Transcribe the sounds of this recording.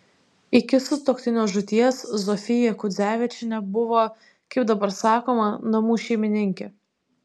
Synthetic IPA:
ɪkʲɪsʊt̪oːkt̪ʲɪnʲoːʒʊt̪ʲiɛszɔfʲɪjɛkʊd̪zʲæːʋʲɪt͡ʃʲɪnʲɛbʊʋoː | kɐɪp̚d̪ɐbɐɾsɑːkoːmɐnɐmuːʃʲɛɪmʲɪnʲɪŋʲkʲɛ

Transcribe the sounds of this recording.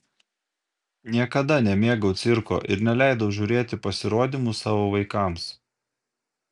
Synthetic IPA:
nʲiɛkɐd̪ɐnʲɛmʲeːɡɐʊt̪sʲɪɾko̰ːʔɪ̰ɾnʲɛlʲæˑɪd̪ɐʊʒʲuɾʲeːt̪ʲɪpɐsʲɪɾoːd̪ʲimusɑːʋoːʋɐɪkɑˑms

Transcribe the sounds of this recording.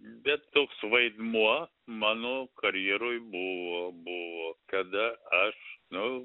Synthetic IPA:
bʲɛt̪ːoːksʋɐɪd̪muɔ | mɑːnoːkɐɾʲjɛɾoːjbʊʋoːbʊʋoːk̪ɐd̪ɐɐʃnʊ

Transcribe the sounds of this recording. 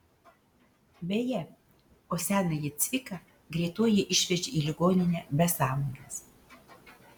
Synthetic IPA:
bʲejɛ | oːsʲæːnɐjɪt̪sʲʋʲɪkɐ | ɡɾʲɛːt̪oɔjɪʔɪʃʲʋʲɛd͡ʒʲeiːlʲɪɡoːnʲɪnʲɛbʲɛsɑːmɐɡʲɐs

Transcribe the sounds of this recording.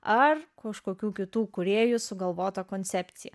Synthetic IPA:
ɐrkɐʃkoːkʲuːkʲɪt̪uːkʊɾʲeːjʊsʊɡɐlˠʋoːt̪ɐkoːnʲt̪sʲæːpʲt̪sʲɪjɛ̰

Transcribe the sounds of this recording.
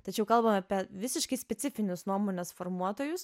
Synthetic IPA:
t̪ɐt͡ʃʲɛʊkɐlˠbɐmɑːpʲiɛʋʲɪsʲɪʃkɐɪsʲpʲɛt̪sʲɪfʲɪnʲʊsnuɔmoːnʲɛsfoɾmuɔt̪oːjʊs

